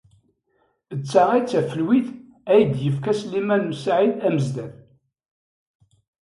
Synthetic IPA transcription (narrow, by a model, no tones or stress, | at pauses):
ət͡sːaʁæt͡sːæfəlwiθ | æjd̪jəfkæslːimænmsaʕiθæməzd̪æð